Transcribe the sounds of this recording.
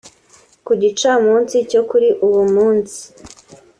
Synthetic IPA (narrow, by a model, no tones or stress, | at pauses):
kuɟit͡ʃamuːnsico̞kuɾiʔuβumuːnsi̥